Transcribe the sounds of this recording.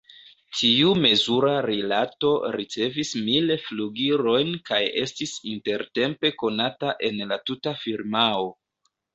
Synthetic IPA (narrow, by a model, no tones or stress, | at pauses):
tʰiume̞zuɾaɾilato̞ɾit͡se̞vismilfluɡiɾo̞jnkaje̞stisinte̞ɾte̞mpe̞ko̞nataʔe̞nlatutafiɾmao̞